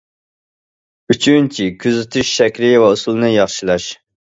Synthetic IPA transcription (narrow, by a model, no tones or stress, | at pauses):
yt͡ʃʰynt͡ʃʰikʲʰyzɪt̪ʰyʃʃɛkʲɾɪvɛusulˠɨnɨjɑχʃilˠɑʃ